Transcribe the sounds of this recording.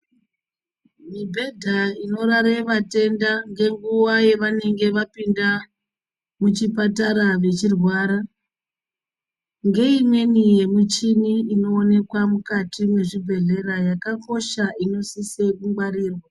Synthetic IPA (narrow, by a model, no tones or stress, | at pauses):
mibʱe̞dʱaino̞ɾaɾeʋate̞ndaŋɡe̞ŋɡuʋaje̞ʋane̞ŋɡe̞ʋapinda | mut͡ʃipataɾaʋe̞t͡ʃirwaːɾa | ŋɡe̞imwe̞nije̞mut͡ʃiniːno̞ːne̞kwamukatimwe̞ʐibʱe̞ɮe̞ɾajakako̞ʃaino̞sise̞kuŋɡwaɾiːrwa